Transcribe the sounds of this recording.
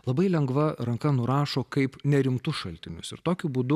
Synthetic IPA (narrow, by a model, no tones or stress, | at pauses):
lˠɐbɐɪlʲɛŋɡʋɐɾɐŋkɐnʊɾɑːʃoːkɐɪpnʲɛɾʲɪmt̪ʊʃɐlʲt̪ʲɪnʲʊ̰sɪɾt̪oːkʲʊbuːd̪ʊ